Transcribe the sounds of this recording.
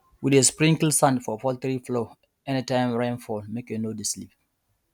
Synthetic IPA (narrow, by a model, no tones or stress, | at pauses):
widespɹĩŋkilsãndfɔfɔlθɹiflo | ɛnitãɪmɹɛ̃nfɔlmekẽnodislip̚